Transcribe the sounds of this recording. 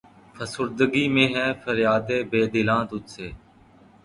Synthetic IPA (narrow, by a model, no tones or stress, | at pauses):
pʰəsʊɾd̪əɡiːmẽːɦɛ̃ːfʰəɾjaːd̪eːbeːd̪ɪlãːd̪ʊt̪seː